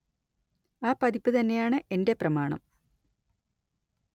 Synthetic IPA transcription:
aːpɐd̪ipːɨt̪ɐnːe̞jaːɳɨʔe̞nde̞prɐmaːɳɐ̰m

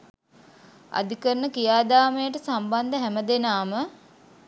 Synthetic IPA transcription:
a̰d̪ikəɾənəkijaːd̪aːmejəʈəsamband̪əɦæməd̪enaːmə

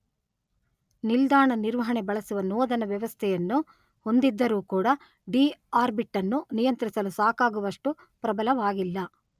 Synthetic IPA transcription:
nild̪aːɳɐniɾʋɐɦɐɳebɐɭɐsuʋɐnɔːd̪ɐnɐʋjɐʋɐst̪ʰɛjɐnːu | ho̞nd̪id̪ːɐɾuːkuːɽɐ | ɖiːaːɾbiʈːɐnːunijɐnt̪ɾisɐlusaːkaːɡuʋɐʂʈu | pɾɐbɐlɐʋaːɡilːɐ

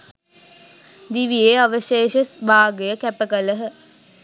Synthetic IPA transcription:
d̪iʋijeaʋəʃeːʃəsbaːɡejəkæpəkələɦə

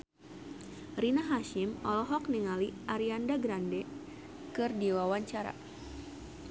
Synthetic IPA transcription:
rinaɦaʃimɔlɔɦɔk̚niŋaliʔaɾiandaɡɾandɛ | kɨrdiwawaɲt͡ʃaɾa̰

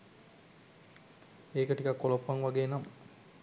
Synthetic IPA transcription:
eːkəʈikɐkːolopːaŋʋaɡeːnam

